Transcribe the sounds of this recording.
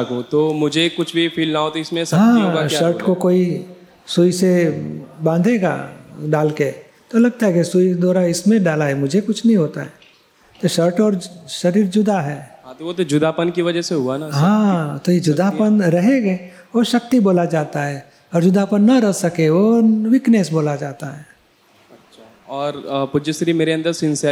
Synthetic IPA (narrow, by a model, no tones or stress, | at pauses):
kot̪omʊd͡ʒʱekʊt͡ʃʰbʱifʰiːlnaɦot̪iɪsmẽsɦãːaʃəɾʈkokoːi | suise | bãːnd̪ʱeːɡa̰ɖaːlke | t̪olɐɡ̚t̪aɦɛkesʊid̪ɔːɾaɪsmẽɖaːlaɦɛmʊd͡ʒʱekʊt͡ʃʰnɐɦĩɦoːt̪aɦɛː | t̪oʃəɾʈɔːɾʃɐɾiːɾd͡ʒʊd̪aɦɛ̃ːt̪oʋot̪od͡ʒʊd̪ʱapənkiʋɐd͡ʒəseɦuanaɦãːt̪ojed͡ʒʊd̪ʱapənɾɐɦeɡɛ | ʋoʃɐk̚t̪iboːlad͡ʒaːt̪aɦɛː | ɔɾd͡ʒʊd̪ʱapənːɐɾɐɦsɐkeʋoʋɪknesboːlad͡ʒaːt̪aɦɛː | ɐʃa | ɔːɾpʊd͡ʒəsɾimeːɾeɐ̃nd̪əɾsɪ̃nsə